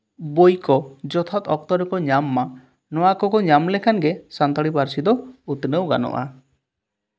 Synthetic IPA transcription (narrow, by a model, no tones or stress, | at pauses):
bojkɔd͡ʒɔt̪ʰat̪ɔk̚t̪ɔɾɔkɔɲamːa | nɔakɔkɔɲamlekʰanɡesant̪ɔɽipaɾsid̪ɔut̪nəwɡa̰nɔ̰ʔa